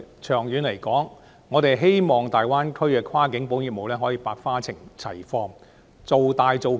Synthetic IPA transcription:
t͡ʃʰœː˨˩ŋjyː˨˧˥nle˨˩jkɔː˨˥ŋː | ɔː˨˧t̪e˨jɦe˥jmɔː˨ŋt̪aː˨jwaː˥nkʰɵ˥ɥkɛː˧kʰaː˥kɪ˨˥ŋpo˨˥ŋji˨mo˨wlɛː˥ɦɔː˨˥jiː˧paː˧k̚faː˥t͡sʰɪ˨˩ŋt͡sʰɐ̰˨˩jfɔː˧ŋ | t͡so˨wt̪aː˨˧jt͡so˨w

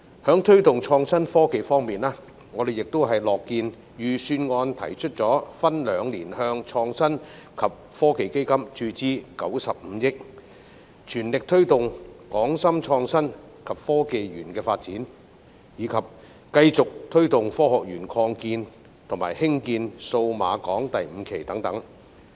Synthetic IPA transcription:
hœː˨˥ŋt̪ʰɵ˥ɥt̪ʊ˨˩ŋt͡ʃʰɔː˧ŋsɐ˥nfɔː˥ke˨jfɔː˥ŋmiː˨nlaː˥ | ŋɔː˨˧d̪e˨jɪ˨k̚t̪o˥wɦɐ˨jlɔː˨kːiː˧n | jyː˨˩syː˧nŋɔː˧nt̪ʰɐ̰˨˩jt͡ʃʰɵ˥t̚t͡sɔː˨˥fɐ˥nlœː˨˧ŋliː˨˩nɦœː˧ŋt͡ʃʰɔː˧ŋsɐ˥nkʰɐ˨p̚fɔː˥ke˨jke˥jkɐ˥mt͡ʃyː˧t͡siː˥kɐ̰˨˥wsɐ˨p̚m̩˨˧˦jɪ˥k̚ | t͡ʃʰyː˨˩nlɪ˨k̚t̪ʰɵ˥ɥt̪ʊ˨ŋkɔː˨˥ŋsɐ˥mt͡ʃʰɔː˧ŋsɐ˥n | kʰɐ˨p̚fɔː˥ke˨˧jɥyː˨˩nkɛː˧faː˧t̚t͡siː˨˥n | jiː˨˧kʰɐ˨p̚ | kɐ˧jt͡sʊ˨k̚t̪ʰɵ˥ɥt̪ʊ˨ŋfɔː˥hɔː˨k̚jyː˨˩nkʰɔː˧ŋkiː˧n | t̪ʰʊ˨˩ŋmaː˨˩jhɪ˥ŋkiː˧nso˧wma̰ː˨˧kɔː˨˥ŋt̪ɐ˨jm̩ː˨˧kʰe˨˩jt̪ɐ˨˥ŋt̪ɐ˨˥ŋ

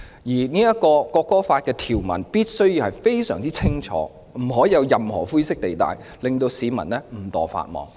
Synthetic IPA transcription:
jiː˨˩niː˥jɐ˥t̚kɔː˧kɔː˧kːɔː˥faː˧t̚kɛː˧t̪ʰiː˨˩wmɐ˨˩npiː˥t̚sɵ˥ɥjiː˧whɐ˨jfe˥jsœ̰ː˨˩ŋt͡siː˥t͡sʰɪ˥ŋt͡ʃʰɔ̰ː˨˥ | m̩˨˩ɦɔː˨˥jɐ˨˧wjɐ˨mhɔ̰ː˨˩fuː˥jsɪ˥k̚t̪e˨jt̪a̰ː˨j | lɪ˨ŋt̪o˧wsiː˨˥mɐ̰˨˩nlɛ˥m̩˨˩t̪ɔ̰ː˨fa̰ː˧t̚mɔ̰ː˨˧ŋ

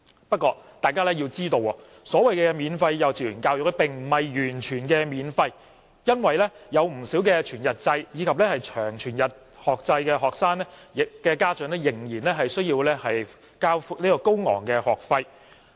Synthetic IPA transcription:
pɐ˥t̚kːɔː˧t̪aː˨jkaː˥lɛ˥jiː˧t͡siː˥t̪o˧wɔ̰˧ | sɔː˨˥wɐ˨jkɛː˧miː˨˧nfɐ˧jːɐ˨˧wt͡siː˨˩jyː˨˩nkaː˧wjɔ˨k̚lɛ˥pɪ˨ŋm̩˨˩mɐ˨jjyː˨˩nt͡ʃʰyː˨˩nkɛː˧miː˨˧nfɐ˧j | jɐ˥nwɐ˨jlɛ˥jɐ˨˧wm̩˨˩siː˨˥wkɛ˧t͡ʃʰyː˨˩njɐ˨t̚t͡sɐ˧jjiː˨˧kʰɐ˨p̚lɛ˥hɐ˨jt͡ʃʰœː˨˩ŋt͡ʃʰyː˨˩njɐ˨t̚ | hɔː˨k̚t͡sɐ˧jkɛː˧ɦɔː˨k̚saː˥ŋnɛː˥jɪ˨kːɛː˧kaː˥t͡sœ˨˥nɛ˥jɪ˨˩ŋjiː˨˩nlɛː˥ɦɐ˨jsɵ˥ɥjiː˧wlɛ˥hɐ˨j | kaː˥wfu˧k̚niː˥kɔː˧ko˥wŋɔ̰ː˨˩ŋkɛː˧hɔː˨k̚fɐ˧j

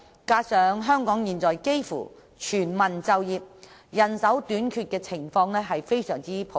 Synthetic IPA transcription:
kaː˧sœː˨ŋɦœː˥ŋkɔː˨˥ŋjiː˨˩nt͡sɔː˨jke˥jfṵː˨˩ | t͡ʃʰyː˨˩nmɐ˨˩nt͡sɐ˨wjiː˨p̚ | jɐ˨˩nsɐ˨˥wt̪yː˨˥nkʰyː˧t̚kɛː˧t͡sʰɪ˨˩ŋfɔː˧ŋɛː˥ɦɐ˨jfe˥jsœː˨˩ŋt͡siː˥pʰo˨

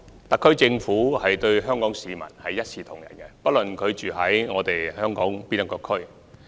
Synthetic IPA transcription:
t̪ɐ˨kʰːɵ˥ɥt͡sɪ˧ŋfuː˨˥hɐ˨jt̪ɵ˧ɥɦœː˥ŋkɔː˨˥ŋsiː˨˧mɐ̰˨˩nhɐ˨jːɐ˥t̚sʰiː˨˧t̪ʰʊ̰˨˩ŋjɐ̰˨˩nkɛ˧pɐ˥t̚lɵ˨˩nkʰɵ˨˧ɥt͡ʃyː˨ɦɐ˨˥jŋɔː˨˧t̪e˨jhœː˥ŋkɔː˨˥ŋpiː˥nɐ˨˥kːɔː˧kʰɵ˥ɥ

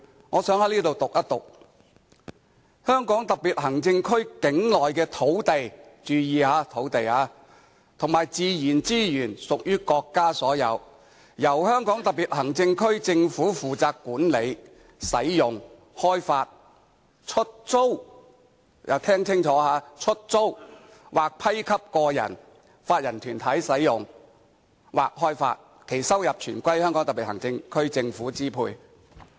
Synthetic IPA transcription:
ŋɔː˨˧sœː˨˥ŋhɐ˨˥jliː˥t̪̬o˨wt̪ʊ˨k̚ʔɐ˥t̚t̪ʊ̰˨˩k̚ | hœː˥ŋkɔː˨˥ŋt̪ɐ˨˩k̚piː˨t̚hɐ˨˩ŋt͡sɪ˧ŋkʰɵ˥ɥkɪ˨˥ŋlɔː˨jkɛː˧t̪ʰo˨˥wt̪e˨jt͡ʃyː˧jiː˨˧aː˨˧˥t̪ʰo˨˥wt̪e˨jaː˨˧ | t̪ʰʊ˨˩ŋmaː˨jt͡siː˧jiː˨˩nt͡siː˥jyː˨˩nsʊ˨k̚jyː˥kɔː˧kːaː˥sɔː˨˥jɐ̰˨˧w | jɐ˨˩whœː˥ŋkɔː˨˥ŋt̪ɐ˨k̚piː˨˩t̚hɐ˨˩ŋt͡sɪ˧ŋkʰɵ˥ɥt͡sɪ˧ŋfuː˨˥fuː˨t͡saː˧kːuː˨˥nle˨˧j | sɐ˨˥jjʊ˨ŋ | hɔː˥jfaː˧t̚ | t͡ʃʰɵ˥t̚t͡so˥w | jɐ̰˨˧wt̪ʰɛː˥ŋt͡sʰɪ˥ŋt͡ʃʰɔː˨˥haː˨˧t͡ʃʰɵ˥t̚t͡so˥w | wʔaː˨k̚pʰɐ˥jkʰɐ˥p̚kɔː˧jɐ̰˨˩n | faː˧t̚jɐ˨˩nt̪ʰyː˨˩nt̪ʰɐ˨˥jsɐ˨˥jjʊ˨ŋ | waː˨˩k̚ɦɔː˥jfa̰ː˧t̚ | kʰe˨˩jsɐ˥wjɐ˨p̚t͡ʃʰyː˨˩nkʷɐ˥jhœ˥ŋkɔ˨˥ŋt̪ɐ˨pi˨t̚hɐ˨˩ŋt͡sɪ˧ŋkʰɵ˥ɥt͡sɪ˧ŋfuː˨˥t͡siː˥pʰṵː˧j

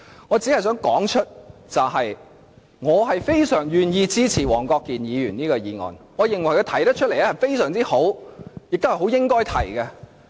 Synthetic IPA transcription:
ŋɔː˨˧t͡si˨˥hɐ˨˩js̬œː˨˥ŋkɔː˨˥ŋt͡ʃʰɵ˥t̚t͡sɐ˨wɦɐ˨j | ŋɔː˨˧ɦɐ˨jfe˥jsœː˨˩ŋjyː˨njiː˧t͡siː˥t͡sʰiː˨˩wɔː˨˩ŋkɔː˧kːiː˨njiː˨˧jyː˨˩niː˥kɔː˧jiː˨˧ŋɔ̰ː˨nŋɔː˨˧jɪ˨˩ŋwɐ˨˩jkɔ˧t̪ʰɐ˨˩jt̪ɐ˥t͡ʃʰɵ˥t̚le˨˩jlɛ˥hɐ˨jfe˥jsœː˨˩ŋt͡siː˥ho˨˥wjɪ˨k̚t̪o˥hɐ˨˩ho˨˥wjɪ˥ŋkɔː˥jt̪ʰɐ˨˩jkɐ˧

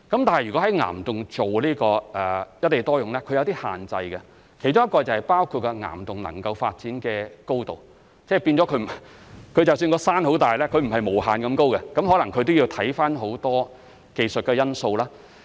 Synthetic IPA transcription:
kɐ˨˥mt̪aː˨nhɐ˨jyː˨˩kɔ˨˥ɐ˨˥jŋa̰ː˨˩mt̪ʊ˨ŋt͡so˨wliː˥kɔː˧ɛː˨˩jɐ˥t̚t̪ːe˨˩t̪ɔː˥jʊ˨ŋlɛː˥kʰɵ˨˧ɥjɐ˧t̪iː˥ha̰ː˨nt͡sɐ˧jkɛ˧ | kʰe˨˩jt͡ʃʊ˥ŋjɐ˥t̚kɔː˧t͡sɐ˨˩whɐ˨jpaː˥wkʰu˧t̚kɛ˧ŋa̰ː˨˩mt̪ʊ˨ŋlɐ̰˨˩ŋkɐ˧wfaː˧t̚t͡siː˨˥nkɛː˧ko˥wt̪o̰˨w | t͡sɛː˥˩pi˧nt͡sɔ˨˥kʰɵ˨˧ɥm˨˩kʰɵ˨˧ɥt͡sɐ˨ws̬yː˧nkɔː˧saː˥nho˨˥wt̪aː˨˩jlɛː˥kʰɵ˨˧ɥm̩˨˩ɦɐ˨jmo˨˩wɦaː˨nkɐ˧mko˥wkɛ˧kɐ˨˥mɦɔ˨˥lɐ˨˩ŋkʰɵ˨˧ɥt̪o˥wji˧t̪ʰɐ˨˥jfaː˥nɦo˨˥wt̪ɔː˥ | ke˧jsɵ˨t̚kɛ˧jɐ˥nso˧wlaː˥

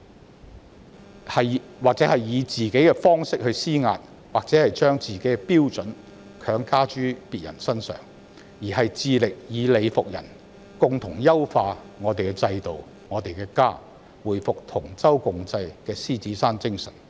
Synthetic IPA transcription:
hɐ˨jwaː˨k̚t͡sɛ˨˥hɐ˨jːiː˨˧t͡siː˨ke˨˥jkɛː˧fɔː˥ŋsɪ˥k̚hɵ˧ɥsiː˥ŋa̰ː˧t̚ | waː˨k̚t͡sɛː˨˥hɐ˨jt͡ʃœː˥ŋt͡siː˨ke˨˥ɛpiː˥wt͡sɵ˨˥n | kʰœː˨˥ŋkaː˥t͡ʃyː˥piː˨t̚jɐ̰˨˩nsɐ˥nsœ̰ː˨˩ŋ | jiː˨˩ɦɐ˨jt͡siː˧lɪ˨k̚jiː˨˧le˨˧jfʊ˨k̚jɐ̰˨˩n | kʊ˨ŋt̪ʰʊ˨˩ŋjɐ˥wfaː˧ | ŋɔː˨˧t̪e˨jkɛ˧t͡sɐ˧jt̪o˨w | ŋɔː˨˧t̪e˨jkɛː˧kaː˥ | wuː˨˩jfʊ˨k̚t̪ʰʊ˨˩ŋt͡sɐ˥wkʊ˨˧ŋt͡sɐ˧jkɛː˧siː˥t͡siː˨˥saː˥nt͡sɪ˥ŋsɐ̰˨˩n

